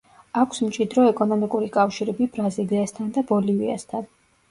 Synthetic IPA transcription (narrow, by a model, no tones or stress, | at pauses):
akʷʰsmt͡ʃʼid̪ɾɔɛkʼɔnɔmikʼuɾikʼafʃiɾɛbibɾaziliast̪ʰand̪abɔlivia̰st̪ʰan